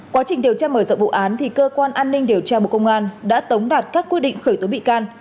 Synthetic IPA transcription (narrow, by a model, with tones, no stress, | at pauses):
kwaː˨˦t͡ɕï̟˨˩ɗi˨˩əwt͡ɕaː˧məː˧˩zə̰˧˨ŋ͡mvṵ˧˨ʔaː˨˦nt̪ʰi˨˩kəː˧kwaː˧nʔaː˧nːï˧ŋ̟ɗi˨˩əwt͡ɕaː˧ɓu˧˨kə˧wŋ͡mʔaː˧nɗa̰ː˧˥t̪ə˨˦wŋ͡mɗaː˨˩t̚kaː˦˥kːi˦˥t̚ɗḭ˧˨ŋ̟xəː˧˩jt̪o˨˦ɓḭ˧˨kaː˧n